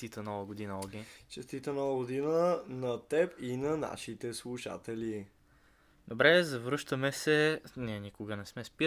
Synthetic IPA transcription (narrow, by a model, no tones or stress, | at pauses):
t̪it̪ənɔvəɡod̪inəɔɡʲɛt͡ʃɛst̪it̪ənɔvəɡod̪inənɐt̪ɛpinɐna̰ʃit̪ɛslˠuʃa̰t̪ɛli | d̪obɾɛzɐvɾɤʃt̪əmɛsɛnʲinikʊɡənɛsmɛspi